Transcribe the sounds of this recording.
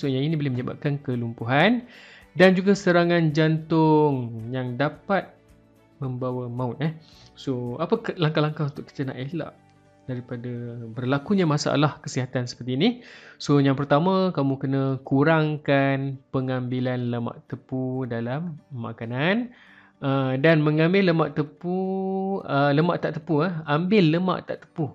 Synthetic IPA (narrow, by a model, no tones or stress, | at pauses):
soɲãinibolɛhməɲəba̰p̚kankəlumpuɦan | dand͡ʒuɡasəɾaŋãnd͡ʒant̪ʊŋjaŋdapat̪̚ | mə̃mbawamãʊt̪̚ɛh | soapaklaŋkalaŋkaunt̪ʊʔkːi̥t̪əna̰ʔehla̰ʔ | daɾipadabərlakuɲamasa̰ʔa̰lahkəsiɦat̪ansə̥pərt̪iːnisojaŋpərt̪amãkamũkənə̃kuɾaŋkanpəŋambilanləma̰ʔt̪əpudalamːa̰kanan | ədanməŋãmbɪlːəmaʔt̪əpu | ələmaʔt̪aʔt̪əpuəambɪlːəma̰ʔt̪a̰ʔt̪ə̥pu